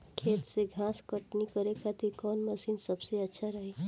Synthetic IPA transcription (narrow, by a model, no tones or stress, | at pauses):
kʰeːt̪seɡʱãskəʈnikəɾekat̪ikɔnməsiːnsəbseətːʃʰaɾəɦe